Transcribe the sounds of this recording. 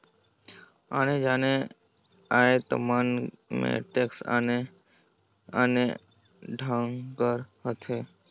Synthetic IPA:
aːned͡ʒaːne | aːet̪ə̰maːnmḛ̃ʈeːksa̰ne | aːne | ɖʱãŋkəɾhət̪ʰeː

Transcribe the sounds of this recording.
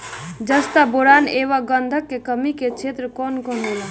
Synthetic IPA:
d͡ʒəst̪aboɾaneʋaɡənd̪ʱəkːekəmiket͡ʃʰet̪ɾəkɔnkɔndela

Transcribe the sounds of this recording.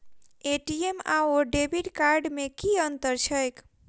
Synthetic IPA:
eʈiema̰oɖebʱiʈkaɾɖmekiənt̪əɾt͡ʃʰəjk

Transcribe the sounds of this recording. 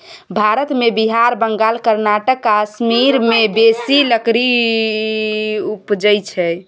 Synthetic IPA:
bʱaɾət̪mebiɦaɾbəŋɡalkəɾnaʈəkːasmiɾmebesiləkɾi | upd͡ʒəjt͡ʃʰɛ

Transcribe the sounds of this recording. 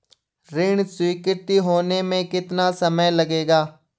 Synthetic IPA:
ɾɪɳ̃swiːkɪɾt̪iɦoːnemẽkɪt̪nasɐməjlɐɡeːɡaː

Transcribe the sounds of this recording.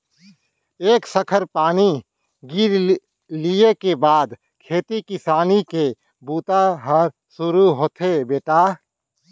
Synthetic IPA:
eːksəkʰəɾpaːni | ɡiɾ | liekebaːd̪ | kʰeːt̪ikɪsaːnike | buːt̪aɦəɾ | sʊɾuɦoːt̪ʰebeːʈaː

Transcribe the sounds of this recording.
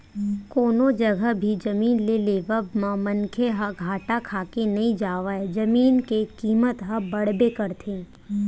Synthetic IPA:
koːnõd͡ʒɐɡəbʱid͡ʒɐmiːnleleːʋəbmãmɐnkʰeɦɐɡʱaːʈakʰaːkenɐɦĩd͡ʒaːʋaɛd͡ʒɐmiːnkekiːmət̪ɦɐbɐɽbekɐɾt̪ʰẽː

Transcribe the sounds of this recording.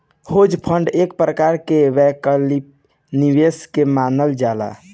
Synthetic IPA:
hod͡ʒpʰəɳɖek̚pɾəkaɾkeʋɛkəlip | niʋeskemanəld͡ʒala̰

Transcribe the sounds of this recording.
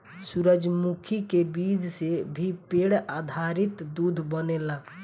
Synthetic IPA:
suɾəd͡ʒmukʰikebid͡ʒsebʱipeɽad̪ʱaɾit̪d̪ud̪ʱbənela

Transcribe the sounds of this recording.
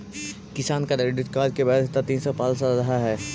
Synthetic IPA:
kɪsaːnkadɖɪʈkaːd͡ʒkebaːd̪t̪at̪iːnsɔpaːlsaɾɐɦaɦɛː

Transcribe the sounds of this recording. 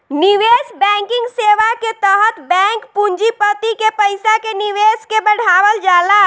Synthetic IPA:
niʋesbɛ̃ŋkɪ̃ŋɡseʋaket̪əɦət̪bɛ̃ŋkpuɲd͡ʒipət̪ikepəɪsakeniʋeskebəɽ̤aʋəld͡ʒala

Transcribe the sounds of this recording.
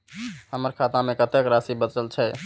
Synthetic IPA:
həməɾkʰat̪amekət̪ekɾasibət͡ʃəlt͡ʃʰɛ

